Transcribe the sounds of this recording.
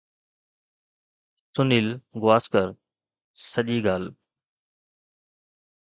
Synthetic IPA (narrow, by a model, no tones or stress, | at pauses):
sʊniːlɡʊʋaːskəɾ | səʄiːɡaːl